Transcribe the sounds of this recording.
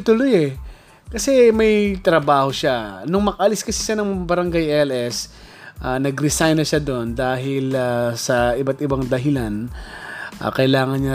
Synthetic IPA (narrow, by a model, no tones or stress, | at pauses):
t̪ʊlojɛ | kɐsɛmɐjt̪ɾɐbaːho̞ʃanʊŋmɐkɐʔɐlɪskɐsɛʃanɐŋbɐɾɐŋɡajɛlɛs | ʔaːnɐɡɾɪsajnɐʃad̪o̞nd̪aːɦɪlasɐʔɪbat̪ʔɪbaŋd̪ɐɦɪlan | ʔa̰ːkɐʔɪlaːŋɐnɲa